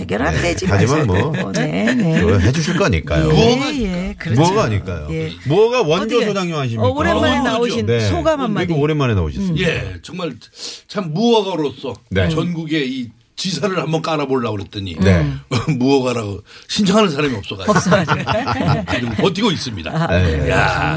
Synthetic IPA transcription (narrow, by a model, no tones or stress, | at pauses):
eɡjʌɾatʰed͡ʑimad͡ʑianmʌneaɦed͡ʑuɕʰiɭk͈aɲḭk͈a̰jo̰muʌaaik͈kɯɾmuʌɡaaɲḭk͈a̰jo̰muʌɡawʌnɡʌsʰod͡ʑaŋjʌɦaɕ̬ʰimoɾenaoesʰoɡamanaiɡooɾemaɾenao̰ɕʰisje̞t͡ɕʌŋmaɭt͡ɕʰamːuʌɡaɾos͈ʰʌnet͡ɕʌnɡuɡe̞i | t͡ɕisʰaɾɯɭhambʌnk͈aɾaboɭːaoɦet̚t͈ʌɲḭnemuʌɡaɾaɡoɕʰind͡ʑʰʌŋɦanɯnsʰaɾamiʌp̚s͈ʌɡa | kidoɡʌt̬͈ʰikɡois͈ɯmɲida̰ja̰